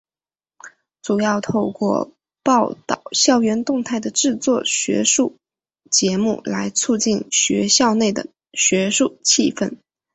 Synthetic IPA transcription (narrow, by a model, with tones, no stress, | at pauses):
t͡su˨˩jɑ˥˧ʊt̪ʰo˥˧ʊkwɔ̰˥˧ | pɑ˥˩ʊt̪ɑ̰˨˩ʊɕjɑ˥˩ʊɥɛ˧˥nt̪ʊ˥˧ŋt̪ʰa˥˩ɪd̪ə˩ʈ͡ʂɻ̩˥˧t͡swɔ˥˧ɕɥɛ̰˧˥ʂu˥˩ | t͡ɕjɛ˧˥mṵ˥˩la˧˥ɪt͡sʰu˥˧t͡ɕi˥˩nɕɥɛ̰˧˥ɕjɑ˥˧ʊne˥˩ɪd̪ə̰˩ | ɕɥɛ˧˥ʂu˥˧t͡ɕʰi˥˧fə̰˥˩n